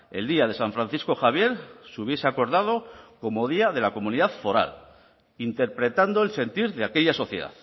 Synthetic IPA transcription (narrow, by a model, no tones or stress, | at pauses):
e̞̰ld̪iað̞e̞saɱfɾanθisko̞xaβ̞je̞ɾsuβ̞je̞seako̞ɾðað̞o̞ko̞mo̞ð̞iað̞e̞lako̞mũniðaθfo̞ɾa̰l | int̪e̞ɾpɾe̞t̪and̪o̞else̞nt̪iɾðeake̞ʎaso̞θje̞ða̰ð